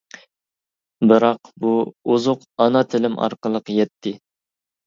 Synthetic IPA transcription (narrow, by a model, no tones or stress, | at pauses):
bɨɾɑqbuuzʊq | ɑnɑt̪ʰɪlɪmɑ̰ɾqəlˠəqjɛt̪ʰːɪ